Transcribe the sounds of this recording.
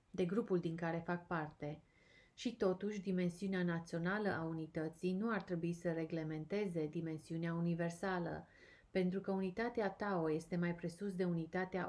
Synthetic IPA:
d̪e̞ɡɾupuld̪iŋkaɾe̞fak̚part̪e̞ | ʃit̪o̞t̪uʃʲd̪ime̞nsiuneanat̪sio̞nalə̰ʔaunit̪ət̪sijnuart̪ɾe̞buisəre̞ɡle̞me̞nt̪e̞ze̞d̪ime̞nsiuneaunive̞rsalə̰ | pe̞nt̪ɾukəunit̪at̪eat̪aoje̞st̪e̞majpɾe̞sus̬d̪e̞unit̪at̪ea̰

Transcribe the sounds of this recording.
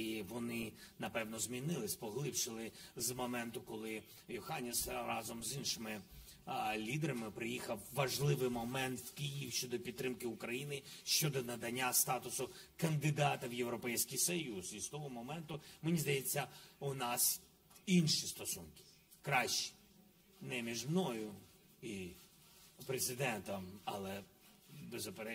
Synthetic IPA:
iʋɔnɪnɐpɛwnɔzʲmʲinɪlˠɪsʲpɔɦlˠɪpʃɪlˠɪzmɔmɛnt̪ʊkɔlˠɪ | jʊxɑnʲisrɑzɔmzinʃɪmɪ | lʲid̪eɾɐmɪpɾɪjixɐwːɐʒlˠɪʋɪjmɔmɛnt̪wkijiwʃt͡ʃɔd̪ɔpʲid̪̚ɾɪmkɪʊkɾɐjinɪʃt͡ʃɔd̪ɔnɐd̪ɐnʲːast̪ɑt̪ʊsʊ | kɐnd̪ɪd̪ɑt̪ɐwjewɾɔpɛjsʲkɪjsɔjuzist̪ɔɦɔmɔmɛnt̪ʊmenʲizd̪ɐjet͡sʲːɐʊnɑs | inʃist̪ɔsunkɪ̥ | kɾɑʃt͡ʃi̥ | nɛmʲiʒmnɔjʊ | i | pɾezɪd̪ɛnt̪ɐmɐlˠɛ | bezʊpeɾɛ

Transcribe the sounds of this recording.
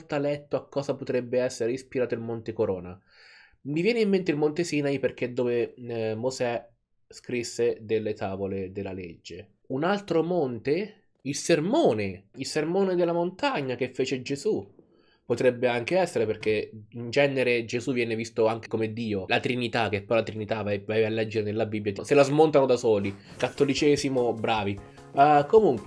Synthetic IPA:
t̪alɛt̪ːoakːɔːzapot̪ɾɛbːeɛsːeɾeispiɾaːt̪oilmont̪ekoɾɔːna | mivjɛːneimːent̪eilmont̪esiːnaiperk̟ed̪ːoːvemozɛ | skɾisːed̪elːet̪aːvoled̪elːaled͡ʒːe | unalt̪ɾomont̪e | ilsermoːneilsermoːned̪elːamont̪aɲːak̟efːeːt͡ʃed͡ʒezu | pot̪ɾɛbːeaŋk̟eɛsːeɾeperk̟eind͡ʒɛnːeɾed͡ʒezuvjɛːnevist̪oaŋk̟ekomed̪ːiːolat̪ɾinit̪ak̟epːɔjlat̪ɾinit̪avavaevalːɛd͡ʒːeɾenelːabibːjaselazmont̪anod̪asɔːli | kat̪ːolit͡ʃɛːzimobɾaːvi | akomuŋkwe

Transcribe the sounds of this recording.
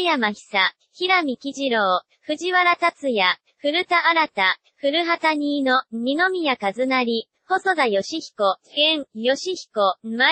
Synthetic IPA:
jamaçi̥sa | çiɾamʲikʲiʑiɾoː | ɸɯ̟ʑiβaɾat̪at͡sɨja | ɸɯ̟ɾɯ̟t̪aːɾat̪a | ɸɯ̟ɾɯ̟ɦat̪aɲ̟iːno̞mʲino̞mʲijakazɨnaɾʲi | ho̞sod̪ajo̞ɕiçi̥ko̞ɡẽ̞ŋjo̞ɕiçi̥ko̞ma

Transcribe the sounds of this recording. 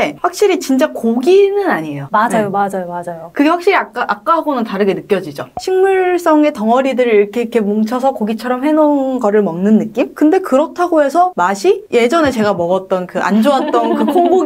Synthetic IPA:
eɸwak̚ɕ͈iɾit͡ɕint͡ɕ͈akoɡinɯnaɲiejomaajomad͡ʑajomad͡ʑajokɯɡe̞ɸwakɕ͈iɾiaaʔak͈aɦaɡonɯntaɾɯɡe̞nɯk͈jʌd͡ʑid͡ʑoɕʰinmuɭs͈ʌŋe̞tʌŋʌɾidɯɾɯɭiɾʌkʰekʰe̞moŋt͡ɕʰʌsʰʌkoɡit͡ɕʰʌɾʌmhe̞ŋonnɡʌɾɯɭmʌŋnɯnːɯk͈imkɯnde̞kɯɾʌtʰaɡoɦe̞sʰʌmaɕʰije̞d͡ʑʌnet͡ɕe̞ɡamʌɡʌt̚t͈ʌnkɯʔa̰nd͡ʑoat̚t͈ʌnkɯkʰoŋɡo

